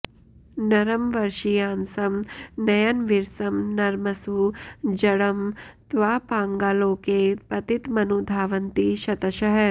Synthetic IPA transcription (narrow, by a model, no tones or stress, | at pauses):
nɐɾɐmʋɐɾʃijaːnsɐmnɐjɐnʋiɾsɐmnɐɾmɐsud͡ʒɐɽɐmt̪ʋaːpãːŋɡaːlõːkepɐt̪it̪mɐnud̪ʱaːʋɐnt̪iʃɐt̪ɐʃɐɦɐ